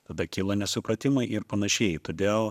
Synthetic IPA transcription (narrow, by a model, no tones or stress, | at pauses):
t̪ɐd̪ɐkʲɪlˠɐnʲɛsʊpɾɐt̪ʲɪmɐɪʔɪɾpɐnɐʃʲɛɪt̪oːd̪ʲeːlˠ